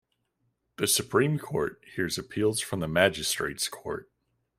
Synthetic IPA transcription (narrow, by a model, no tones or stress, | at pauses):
ðɨsɨpʰɹ̥ĩmkʰɔ̰ɹt̚hiɹzɨpʰilˠz̥fɹʌ̃mðəmæd͡ʒɨstɹ̥ḛɪtskʰɔ̰ɹt̚